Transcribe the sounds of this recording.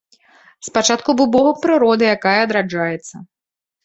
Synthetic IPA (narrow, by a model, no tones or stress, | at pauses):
spat͡ʂat̪kubɨbɔvɐpɾɨɾɔd̪ɨjakajɐːd̪ɾad͡ʐajɛt̪sːɐ